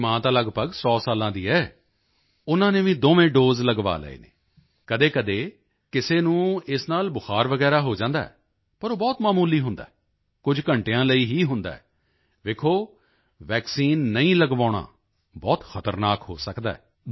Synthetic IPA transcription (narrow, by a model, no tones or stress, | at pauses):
mãːt̪aːləɡpəɡsɔːsaːlãːd̪iːɛː | ʊnãːnẽːʋĩːd̪oːʋẽːɖoːzləɡʋa̰ːlə̰ḛːnḛː | kəd̪eːkəd̪eː | kɪseːnũːɪsnaːlbʊxaːɾʋəɡɛːɾaːɦoːd͡ʒãːnd̪a̰ːɛ̰ː | pəɾoːbɔːt̪maːmuːliːɦʊ̃nd̪aːɛ | kʊd͡ʒkəɳʈejãːləiːɦiːɦʊnd̪a̰ːɛː | ʋekʰoː | ʋɛːksiːnːəĩːləɡʋaːɽ̃a̰ː | bɔːt̪xʰət̪əɾnaːkɦo̰ːsəkd̪a̰ːɛː